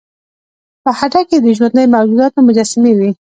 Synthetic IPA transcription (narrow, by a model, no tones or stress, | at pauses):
pəhaʈaked̪əʒwand̪əjmad͡ʒud̪ɑt̪omʊd͡ʒɑsamewi